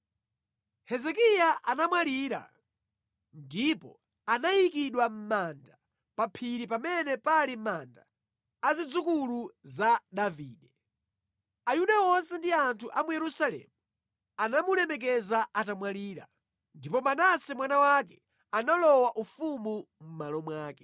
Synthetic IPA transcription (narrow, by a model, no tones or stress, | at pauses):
hɛzɛkijaʔanamwaliːɾa̰ | ndipɔ | anajikiɗwam̩manda | papʰiɾipamɛnɛpalimandaː | zid͡zukuluzaɗaviːɗɛ | ajuɗaɔnsɛndiantʰuʔamujɛɾusalɛ̰mu | anamulɛmɛk̬ɛzaatamwaliːɾa | ndipɔmanasɛmwanawakɛ | analɔwaʔufumu | m̩malɔmwaːkɛ